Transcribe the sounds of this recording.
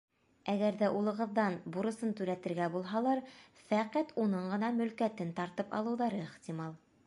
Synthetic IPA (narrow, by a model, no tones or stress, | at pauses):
æɡæɾðæʔulˠɤ̆ʁɤ̆ðːɑnbuɾɤ̆sɤnt̪ʉɾæt̪ɘ̆ɾɡæbulˠɦɑlˠɑɾ | fæqæt̪unɤɴɢɤ̆nɑmɵ̆lkæt̪ɘnt̪ɑɾt̪ɤpɑ̰lˠɤ̆wðɑɾɤiχt̪imɑlˠ